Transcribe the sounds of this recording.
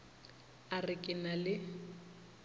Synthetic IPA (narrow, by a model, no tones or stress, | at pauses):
arɪkʼɪnalɪ